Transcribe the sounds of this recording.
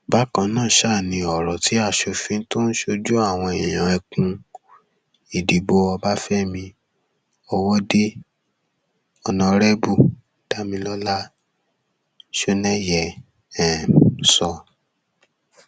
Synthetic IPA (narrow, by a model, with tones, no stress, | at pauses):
ba˦kã˧˦nãː˦˨ʃa˦˨nĩ˧ɔ˨ɾɔ˨ti˨˦a˦˨ʃo˧fĩ˧n̩˦to˦ñ̩˦ʃo˧d͡ʒu˦a˦˨w̃ɔ̃˧e˨j̃ã˨ɛ˧kũ˧ | i˨di˨bo˧ɔ˧ba˦fɛ˦mĩ˧ | ɔ˧wɔ˦de˦ | ɔ˧nã˧ɾɛ˦bu˦˨ | d̥a˦mĩ˧lɔ˦la˦ | ʃo˧nɛ˦jɛ˨ | ɛ˨sɔ˧